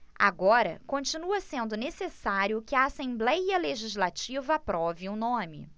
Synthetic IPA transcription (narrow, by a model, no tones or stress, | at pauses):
a̰ɡɔɾɐ̰kõt͡ʃinuɐsẽnd̪ʊnesesaɾjʊkɪɐasẽmblɛjɐleʒizlat͡ʃivɐpɾɔviʊnõmɪ̰